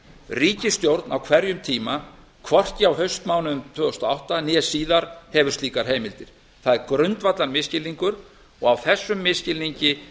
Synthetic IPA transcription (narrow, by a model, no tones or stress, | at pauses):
riːcɪst̪jowɾt̪nawkʰvɛɾjʏmt̪ʰiːma | kʰvɔr̥cɪawɦœɥst̪maːwnʏmt̪ʰœːðʏst̪ɔawht̪anjɛsiːðaɾ̥hɛvʏ̥st̪liːkaɾ̥ɦeːjmɪlt̪ɪɾ̥ | θaðɛɾkɾœɥnt̪vat̪laɾmɪscɪlːiŋkʏɾ | ɔɣawθɛsːʏmːɪscɪlːiɲcɪ